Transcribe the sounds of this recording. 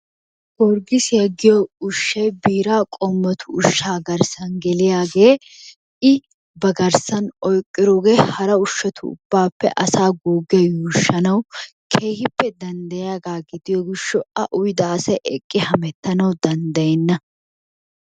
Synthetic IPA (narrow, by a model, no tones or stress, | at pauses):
ɔɾɡɪsjɐɡːɪjɔʊʃːɐjbiːɾaːkʼɔmːɐt̪ʰʊːʃːaːɡɐɾsɐnɡɛlɪjaːɡe̞ː | ɪ | bɐɡɐɾsɐnɔjkʼːɪɾoːɡeːhɐɾɐʊʃːɐt̪ʰʊ̰ʊ̰b̥ːaːpːɛ̰ʔɐsaːɡuːɡɛjɛjuːʃːɐnɐw | kʰeːhɪpːɛd̪ɐnd̪ɐjaːɡaːɡɪd̪ɪjɔɡɪʃːɔɐʔʊjd̪aːsɐjʔɛkʼːɪhɐmɛt̪ːɐnɐwd̪ɐnd̪ɐjɛnːɐ